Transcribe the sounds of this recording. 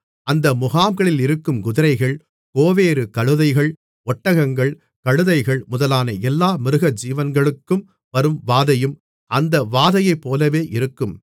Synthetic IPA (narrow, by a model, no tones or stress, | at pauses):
ɐnd̪ɐmʊɣaːmɡɐɭɪlɪɾɯkːɯmɡʊðɪɾɐɪɣɐɭ | koːʋeːɾɯkɐɻɯðɐɪɣɐɭ | ʔɔʈːɐɣɐŋɡɐɭ | kɐɻɯðɐɪɣɐɭmʊðɐlaːnɐʔɛlːaːmɪɾɯɣɐd͡ʒiːʋɐnɡɐɭɯkːɯm | ʋɐɾɯmʋaːðɐjɯm | ʔɐnd̪ɐʋaːðɐjɐɪpːoːlɐʋeːʔɪɾɯkːɯm